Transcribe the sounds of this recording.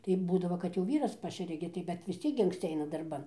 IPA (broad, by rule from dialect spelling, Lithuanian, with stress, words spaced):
tɐɪ ˈbuːdɐʋoː kɐt jɛʊ ˈʋʲiːrɐs ˈpɑːʃʲɛrʲɛ ɡʲɪ tɐɪ bʲɛt ʋʲɪs ˈt͡sʲiɛk ɡʲɪ ɐŋksʲˈt͡sʲɪ ˈɐɪnɐ dɐrˈbɐn